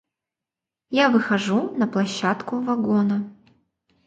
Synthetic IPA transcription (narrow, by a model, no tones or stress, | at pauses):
javɨxɐʐunɐplˠɐɕːat̪kʊvɐɡonɐ